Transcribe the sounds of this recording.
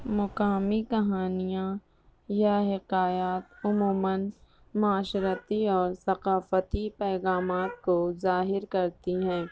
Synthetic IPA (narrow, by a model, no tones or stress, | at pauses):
mʊqaːmikɐɦaːnijã | jaɦɪqaːjaːt̪ʊmuːmən | mʊaːʃɾət̪iɔːɾsɐqaːfət̪ipɛːɣaːmaːt̪̚kozaːɦɪɾkɐɾt̪iɦɛ̃ː